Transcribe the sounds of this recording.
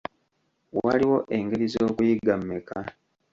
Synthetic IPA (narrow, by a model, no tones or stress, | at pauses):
waliwo̞ʔe̞ŋɡeɾizo̞ːkujiɡamːekʰa